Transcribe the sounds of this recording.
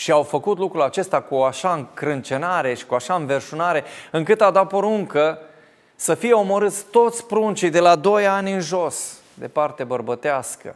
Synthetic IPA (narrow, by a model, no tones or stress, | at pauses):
ʃiawfəkut̪lukɾulat͡ʃe̞st̪akuaʃaɨŋkɾɨnt͡ʃe̞naɾe̞ʃi̥kuaʃaɨnve̞rʃunaɾe̞ɨŋkɨt̪ad̪at̪̚po̞ɾuŋkə | səfije̞o̞mo̞ɾɨt̪sʲt̪o̞t̪sʲpɾunt͡ʃijd̪e̞lad̪o̞janʲɨnʒo̞s | d̪e̞̰part̪e̞bərbət̪easkə̰